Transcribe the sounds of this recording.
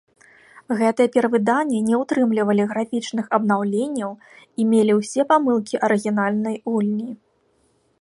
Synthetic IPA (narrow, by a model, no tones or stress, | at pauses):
ɣɛt̪ɨjɛpʲɛɾɐvɨd̪anʲːɛnʲɛwt̪ɾɨmlʲivɐlʲiɣɾafʲit͡ʂnɨxɐbnawlʲenʲːɐw | imʲelʲiwsʲɛpamɨlˠkʲiʔɐɾɨɣʲinalʲnɐjvulʲnʲi